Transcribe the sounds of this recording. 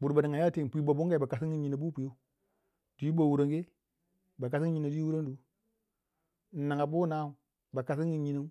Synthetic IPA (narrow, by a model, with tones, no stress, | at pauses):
bu˨ɾba˨ni˨ŋa˨ja˦te˦˨pʷi˨˦bo˨bu˦ŋɡa˨i˨ba˨ka˨s̬i˦ŋ˦i˦ɲi˨na˨bu˦pu˨jo˦ | d̥u˨ji˦bo˨wu˨ɾa˨ŋɡe˦ | ba˨ka˨si˦ɲi˨na˨du˦wu˦ɾa˦n˦du˦ | n̩˨nːa˨ŋa˨bu˦na˦u˨ | ba˨ka˨s̬i˦ŋɡi˨ɲi˦na˦